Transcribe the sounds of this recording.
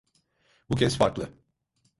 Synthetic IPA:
bucʲʰɛsfaɾklˠɯ

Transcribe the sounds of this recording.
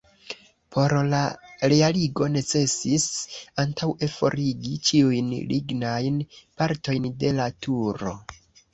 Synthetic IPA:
pʰo̞ɾlaɾealiɡo̞ne̞t͡se̞sisantʰawe̞fo̞̰ɾiɡit͡ʃiujnlʔiɡnajnpaɾto̞jnde̞latʰuɾo̞̰

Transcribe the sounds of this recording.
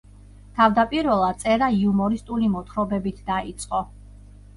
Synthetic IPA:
t̪ʰavd̪apʼiɾvɛlˠad̪t̪sʼɛɾaiumɔɾist̪ʼulimɔt̪ʰχɾɔbɛbit̪ʰd̪ait̪sʼqʼɔ

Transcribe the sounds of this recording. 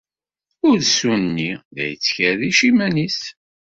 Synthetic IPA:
ʊɾsunnːiðæ̰jət͡sːçæðiʃimænis

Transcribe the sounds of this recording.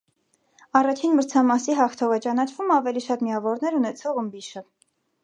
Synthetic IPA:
ɑrɑt͡ʃʰinməɾt͡sʰɑmɑsiɦɑχt̪ʰɔvɛt͡ʃɑn̪ɑt͡ʃʰvumɑvɛliʃɑt̪miɑvɔɾnɛɾunɛt͡sʰɔʁəmbiʃə

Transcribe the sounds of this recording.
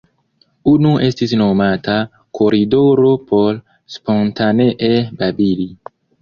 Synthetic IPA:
unuʔestis̬nomata | kʰoɾidoɾopʰol | spontaneʔebabili

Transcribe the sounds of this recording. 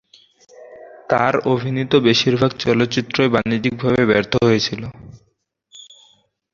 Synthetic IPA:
t̪aɾobʱinit̪obeʃiɾbʱaɡt͡ɕɔlot̪ːɕit̪ːɾoebanid͡ʑik̚bʱaβebɛɾt̪ʰoɦojet͡ɕʰilo

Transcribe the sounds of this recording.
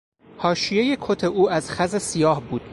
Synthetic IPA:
hɒːʃije̞je̞kʰot̪ʰe̞ʔuːæzxæzesijɒːhbuːd̪̥

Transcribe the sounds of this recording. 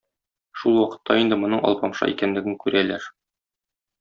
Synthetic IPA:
ʃulˠwɒqɤ̥̆t̪ʰːɑind̪ɘmŏnɤɴʔɒ̰lˠpɑmʃɑ̰ʔḭkænlɘ̆ɡɘŋkʉɾælæɾ

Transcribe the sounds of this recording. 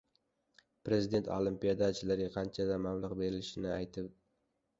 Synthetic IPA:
pɾe̞zid̪e̞nt̪ʰolˠimpijad̪at͡ʃʰɪlaɾʲaqʰɑnt͡ʃʰad̪amamlˠʊqbe̞ɾɪlɪʃɪnɪajt̪ʰɪp̚

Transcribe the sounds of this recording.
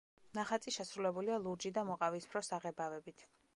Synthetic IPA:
naχat̪sʼiʃɛsɾulɛbulialˠuɾd͡ʒid̪amɔqʼavispʰɾɔsaʁɛbavɛbit̪ʰ

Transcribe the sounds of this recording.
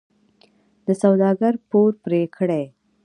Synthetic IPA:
d̪əsawd̪ɑɡaɾpoɾpɾekʰɽej

